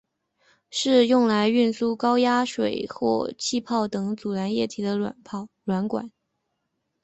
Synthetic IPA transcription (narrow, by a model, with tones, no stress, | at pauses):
ʂɻ̩˥˧jʊ˥˩ŋla˧˥ɪy˥˩nsu˥˩kɑ˥ʊja˥ʂwe˨˩ɪxwɔ̰˥˧˩t͡ɕʰi˥˧pʰɑ˥˩ʊt̪ɤ˧˩ŋt͡su˨˩la˧˥njɛ˥˩t̪ʰi˧˥d̪ə̰˧˨˩pʰ | lwa˧˥nkwa̰˨˩˦n